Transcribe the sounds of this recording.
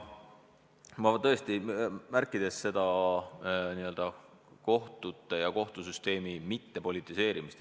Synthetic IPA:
mɑvɑt̪ɤest̪imærkːˑid̪̥e̞sːe̞d̪̥ɑ | niø̞ld̪̥ɑ | ko̞ht̪ut̪ːˑe̞jɑko̞ht̪usyst̪e̞ːmimit̪ːe̞po̞lʲit̪ːˑise̞ːɾimist̪

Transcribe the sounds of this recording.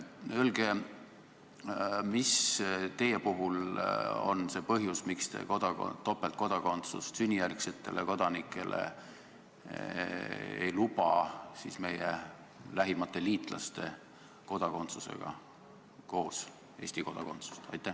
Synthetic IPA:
ølɡ̥e | mist̪e̞jepuɦulo̞̰nse̞ːpɤɦjusmikst̪ḛkod̪̥ɑ̰t̪ːo̞pːelt̪̚ko̞d̪̥ɑko̞nt̪sṵst̪synʲːijærkse̞t̪ːe̞le̞ko̞d̪̥ɑnikːˑe̞lʔḛ | ḛjlupɑsisme̞jḛ | læɦimɑt̪ːe̞liːt̪ˑlɑ̰st̪e̞ | ko̞d̪̥ɑko̞nt̪suse̞̰ɡ̥ɑ̰ | ko̞ːs | e̞ːsʲt̪iko̞d̪ɑko̞nt̪su̥st̪ɑ̰jt̪ːˑæ

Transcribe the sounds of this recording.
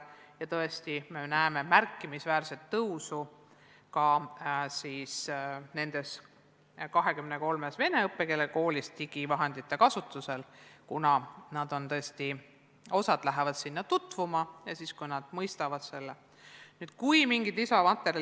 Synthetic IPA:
jɑt̪ɤest̪ime̞næeme̞mærkːimisvæːrset̪ːɤwsu | kɑsiːsne̞nd̪̥e̞s | kɑɦe̞kymneko̞lmesve̞ne̞ɤpːe̞ke̞leko̞ːlist̪iɡ̥ivɑɦe̞nd̪̥it̪ːe̞kɑsut̪ːˑuse̞lkunɑnɑd̪̥o̞nt̪ɤest̪i | o̞sɑd̪̥læɦevɑd̪̥sinːɑt̪ut̪ːˑvumɑjɑsiskujnɑd̪̥mɤjst̪ɑvɑd̪̥se̞lːe | nyːd̪̥kujmiŋɡit̪isɑmɑt̪ːˑe̞ɾj

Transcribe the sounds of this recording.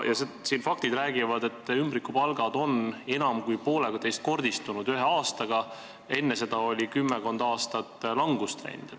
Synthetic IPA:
jɑsesiːnfɑkt̪id̪ɾæːɡ̥ivɑd̪e̞t̪ːˑymbɾikːˑupɑlɡ̥ɑd̪o̞ne̞nɑmkujpo̞ːleɡ̥ɑt̪e̞jst̪̚ko̞rd̪ist̪unud̪̥yɦe̞ɑːst̪ɑɡɑ | e̞nːese̞d̪̥ɑo̞lʲikymːeko̞nd̪̥ɑːst̪ɑt̪ːˑlɑŋɡ̥ust̪vḛjnd̪̥

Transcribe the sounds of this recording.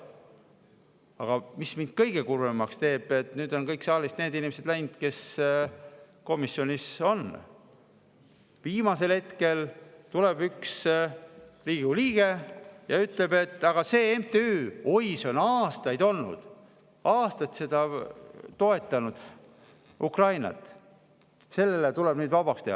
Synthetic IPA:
ɑɡ̥ɑmismind̪̥̚kɤjɡ̥e̞kuremːɑkst̪e̞ːb̥e̞t̪nyːd̪o̞nkɤjksɑːlist̪ne̞ːd̪inimese̞d̪læjnd̪̥ke̞s | ko̞misːjo̞nʲiso̞n | viːmɑse̞lhe̞t̪ke̞lt̪ulebyks | liːɡ̥uliːɡ̥ejɑyt̪ˑle̞b̥e̞t̪ːˑɑɡ̥ɑse̞ːemt̪eyːojso̞nɑːst̪ɑjd̪̥o̞lnṵd̪̥ | ʔɑːst̪ɑt̪se̞d̪̥ɑt̪o̞e̞t̪ːˑɑnud̪̥ | ʔukrɑjnɑ̰t̪ːˑ | se̞lːe̞let̪uleb̥nyːd̪vɑb̥ɑkst̪ehɑ̰

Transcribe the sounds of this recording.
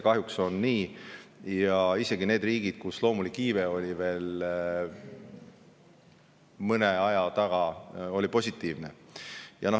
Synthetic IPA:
kɑɦjukso̞nːiː | jɑise̞ɡ̥ine̞ːd̪riːɡ̥id̪̥kuslo̞ːmulikːiːveo̞lʲive̞ːl | mɤneɑjɑt̪ɑɡ̥ɑo̞lipo̞sʲit̪ːˑiːvnejɑ̰no

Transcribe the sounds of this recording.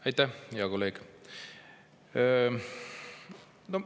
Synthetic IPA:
ɑjt̪ːæjeɑkolːeːɡ̥ | no

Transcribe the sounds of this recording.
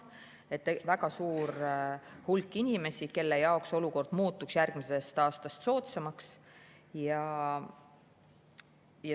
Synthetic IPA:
e̞t̪ːevæɡ̥ɑsuːɾ | hulkːˑinʲime̞sike̞lːe̞jɑokso̞luko̞rd̪̥muːt̪ːˑuksjærɡ̥mise̞st̪ɑːst̪ɑst̪so̞ːt̪semɑks | jɑ | jɑ

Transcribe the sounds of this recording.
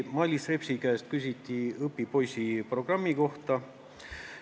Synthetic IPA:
mɑlʲːisrepsʲikæest̪̚kysʲit̪ʲːiɤpːipo̞jsʲipro̞ɡ̥rɑmːiko̞ht̪ɑ

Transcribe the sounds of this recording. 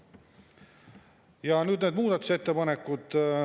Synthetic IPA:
jɑnyːd̪neːd̪muːd̪ɑt̪u̥se̞t̪ːepɑnekːˑud̪̥

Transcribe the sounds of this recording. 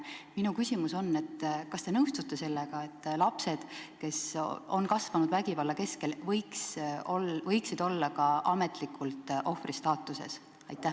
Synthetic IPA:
minukysʲimuso̞nːe̞t̪ːkɑst̪e̞nɤwst̪ut̪ːˑe̞se̞lːeɡ̥ɑe̞t̪ːlɑpse̞d̪̥ke̞so̞nkɑsvɑnud̪væɡivɑlːɑke̞ske̞lvɤjksolvɤ̞jksid̪̥o̞lːɑkɑʔɑme̞t̪ˑlikʰːˑult̪ʔo̞frist̪ɑːt̪ːˑuse̞̰s | ɑ̰jt̪ːˑæh

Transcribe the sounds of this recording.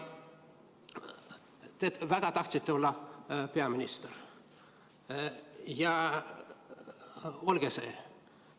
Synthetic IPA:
t̪evæɡ̥ɑt̪ɑht̪sit̪ːeo̞lːɑpeɑminʲist̪er | jɑ | olɡ̥esḛː

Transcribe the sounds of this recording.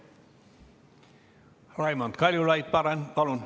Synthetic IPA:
rɑimont̪kɑljulɑjit̪̚pɑɾɑnpɑlun

